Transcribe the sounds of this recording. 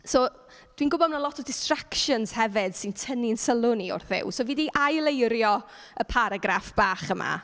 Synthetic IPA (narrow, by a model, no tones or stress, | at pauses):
soː | d̥wiːnɡʊbɔdmənalɔtʰɔdɪstrakʃənz̥hɛvɪd̥sɪntʰəninsəlˠʊniʊ̰rθɪ̰wsoviːdiʔajlˠejɾjɔ | əpʰaɾaɡɾafb̥aːχəma̰